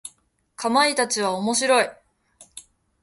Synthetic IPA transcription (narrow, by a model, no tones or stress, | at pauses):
kʰamait̪at͡ɕiβ̞aomo̞ɕiɾo̞i